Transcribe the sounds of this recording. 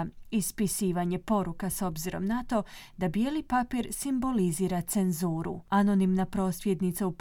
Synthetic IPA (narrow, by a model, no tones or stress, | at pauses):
ispisiːʋaɲe̞po̞ɾukaso̞bziɾo̞̰mnat̪o̞d̪abjelipapiːɾsimbo̞liziːɾat̪se̞nzuːɾṵano̞nimnapɾo̞ːsʋjed̪nit̪saup